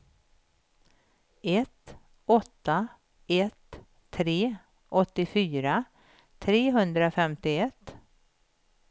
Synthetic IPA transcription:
ɛt̪ | ɔt̪ːa | ɛt̪ʰː | ɾeː | ʔɔt̪ːɪfyːɾa | t̪ʰɾeːɦɵnd̪ɾafɛmt̪ɪɛt̪ː

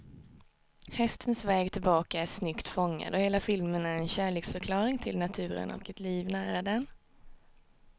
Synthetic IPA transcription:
hɛst̪ʰənsvɛːɡt̪ʰɪlbɑːkaæʂnʏkt̪fɔŋːa̰d̪ɔheːlafɪlmənæɾɛnɕæːɭeːksfœɾkʰlɑːɾɪŋt̪ʰɪlnat̪ʰʉ̟ːɾə̰nʔɔ̰kɛt̪ʰliːvnæːɾad̪ɛn

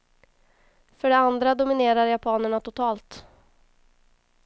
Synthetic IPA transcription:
fœɖɛand̪ɾad̪ʊmɪneːɾaɾjapʰɑːnəɳat̪ʊt̪ʰɑːlt̪

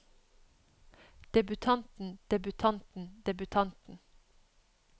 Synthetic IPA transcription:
d̪̥ɛbʉt̪ʰɑnt̪n̩d̪̥ɛbʉt̪ʰɑnt̪n̩d̪ɛbʉt̪ʰɑnt̪n̩

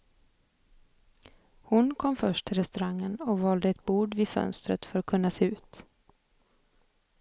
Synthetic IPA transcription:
hʊnkʰɔmːfœʂʈʰɪlɾɛst̪ɵɾaŋːənɔvɑːld̪əɛt̪buːɖvɪd̪fœ̰nst̪ɾə̰t̪fœɾɔt̚kʰɵnːaseːʉ̟ːt̪

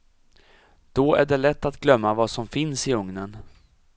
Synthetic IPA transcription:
d̪̥ɔæɖɛɭɛt̪ːat̪ɡlœmːavasɔmfɪnsɪɵŋnən

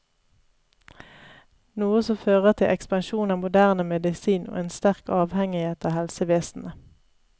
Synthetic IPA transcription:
nuːəsɔføːʁəʁt̪ʰɪʔɛ̰kspɑnʃuːnɑːmʊd̪æːʁnəmɛd̪ɪsiːnʔo̰ːeːnst̪æʁkɑːʋhɛŋɪheːt̪ɑːhɛlsəʋeːsn̩ə

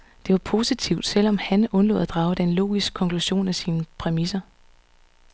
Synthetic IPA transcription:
d̥e̝ʋɑ̈pʰo̝ːsit͡sʰiʊd̥sel̰ɒ̽mhænʔɔ̽nlɔ̰̽ːðˠæd̥ʁɑ̈ʊɾ̥enlo̝̰ːɡ̥isɡ̥̚kʰɒ̽ŋkʰluɕo̝̰ːnæsiːnəpʰʁɛmisɐ

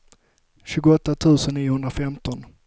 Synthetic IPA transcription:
ɕʉ̟ːɡʊɔt̪ːat̪ʰʉ̟ːsənːiːʊhɵnd̪ɾafɛmt̪ʰɔn

